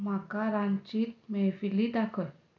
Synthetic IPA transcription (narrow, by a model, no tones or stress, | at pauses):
makaɾant͡ɕiːt̪̚mɛfilid̪akʰəl